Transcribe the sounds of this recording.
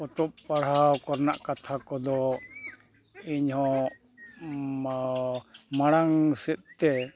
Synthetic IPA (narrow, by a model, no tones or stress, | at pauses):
ɔt̪ɔp̚paɽ̤aawkɔɾnaʔkat̪ʰakɔd̪ɔ | iɲhɔ̃ | maɽaŋsɛt̪̚t̪ɛ